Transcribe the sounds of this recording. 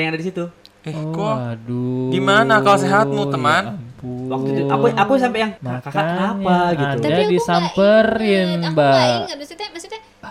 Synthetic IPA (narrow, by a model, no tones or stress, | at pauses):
jaŋadadisit̪u | ɛɔkuadudimanakaloseɦat̪̚mut̪əmanmpuwakt̪ut̪aaapas̬ampɛʔjaŋmakakaaapaɡiadadisampərɪnba